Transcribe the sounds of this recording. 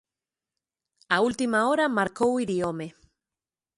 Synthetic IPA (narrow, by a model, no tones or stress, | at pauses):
ault̪imaoɾamaɾkowiɾiome